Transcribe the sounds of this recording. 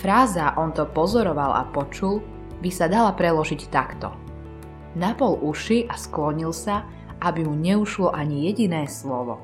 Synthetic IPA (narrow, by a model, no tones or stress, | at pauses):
fɾaːzaʔɔnt̪ɔpɔzɔɾɔʋala̰pɔt͡ʃul | bisad̪alapɾɛlɔʒict̪akt̪ɔ̰ | napɔlʔuʃiʔasklɔɲilsa | ʔabimuɲɛuʃlɔʔaɲijɛɟinɛːslɔʋɔ̰